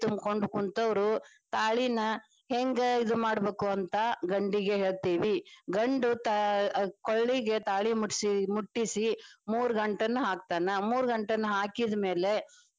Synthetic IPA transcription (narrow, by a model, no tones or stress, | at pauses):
t̪umkoɳɖkunt̪ɐʋɐɾu | t̪aːɭinɐ | heŋɡɐid̪umaːɽɐbeːkuɐnt̪ɐɡɐɳɖiɡe̞ɦeːɭt̪iːʋiɡɐɳɖut̪akoɭːiɡe̞t̪aːɭimuʈsimuʈːisimuːɾuɡɐɳʈɐnːuɦaːk̚t̪aːnɐmuːɾuɡɐɳʈɐnːuɦaːkid̪ɐme̞ːle̞